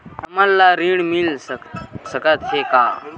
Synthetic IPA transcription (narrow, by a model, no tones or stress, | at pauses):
ɐmalːaɾiɽmilssəkət̪ɦekaː